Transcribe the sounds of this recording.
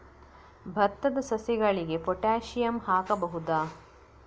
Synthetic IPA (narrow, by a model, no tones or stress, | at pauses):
bʱɐt̪ːɐd̪ɐsɐsiɡɐɭiɡe̞pɔʈaːʃijɐmhaːkɐbɐɦud̪aː